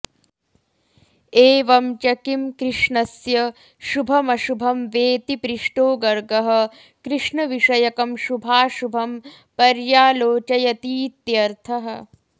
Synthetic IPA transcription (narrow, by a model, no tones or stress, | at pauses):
eːʋɐmt͡ʃɐkimkɾɪʂɳɐsjɐ | ʃubʱɐmɐʃubʱɐmʋeːt̪ipɾiʂʈoːɡɐɾɡɐɦɐ̆ | kɾɪʂɳɐʋiʂɐjɐkɐmʃubʱaːʃubʱɐm | pɐɾjaːloːt͡ʃɐjɐt̪iːt̪jɐɾt̪ʰɐɦɐ̆